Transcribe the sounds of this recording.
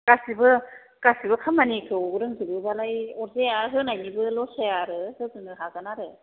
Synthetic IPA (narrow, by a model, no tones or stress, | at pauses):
kasibɯ | kasibɯkʰamːanikʰɯwɯɾɯŋzibɯbalajɔɾzejaɦɯnajnibɯlɔsejaɾɯhɯzɯnɯɦaɡanaɾɯ